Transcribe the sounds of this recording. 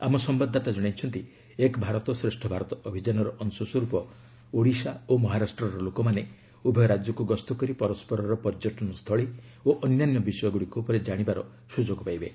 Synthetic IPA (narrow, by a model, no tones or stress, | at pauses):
a̰mɔsɔmbad̪ʱːat̪ad͡ʒɔɽ̃ajt͡ʃʰɔnt̪i | ekbʱaɾɔt̪ɔsɾesʈʰɔbʱaɾɔt̪ɔɔbʱid͡ʒanɔɾɔʔɔnsɔsɔɾupɔ | oɽisaomɔɦaɾasʈɾɔɾɔlokɔmane | ubʱɔjɔɾad͡ʒjɔkuɡɔst̪ɔkɔɾipɔɾɔspɔɾɔɾɔpɔɾd͡ʒɔʈʰɔnɔst̪ʰɔɭioʔɔnnanjɔbisɔjɔɡuɽikopɔɾed͡ʒaɽ̃ibaɾɔ̰ | sud͡ʒɔɡɔpajbe